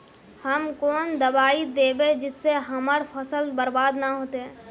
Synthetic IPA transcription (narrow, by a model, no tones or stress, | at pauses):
həmkɔːnd̪əbaːid̪eːbed͡ʒɪsːeɦəməɾpʰəsəlbəɾbaːd̪naɦoːt̪eɦɛː